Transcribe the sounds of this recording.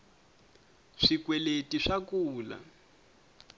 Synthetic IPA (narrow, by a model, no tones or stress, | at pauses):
ʂikwɛletiʂakuːla̰